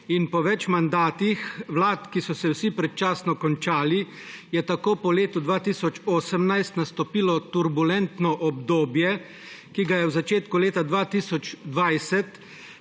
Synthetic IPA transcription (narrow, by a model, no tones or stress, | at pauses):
inpɔʋɛt͡ʃmand̪aːt̪ixwlaːt̪kisɔsɛwsipɾɛt̪̚t͡ʃaːsnɔkɔnt͡ʃaːli | jɛt̪akoːpɔleːt̪ud̪ʋaːt̪iːsɔt͡ʃoːsəmnajst̪nast̪ɔpiːlɔt̪uɾbulɛnt̪nɔʔɔbd̪oːbjɛ | kiɡajɛwzat͡ʃeːt̪kuleːt̪ad̪ʋaːt̪iːsɔt͡ʃd̪ʋajsɛt̪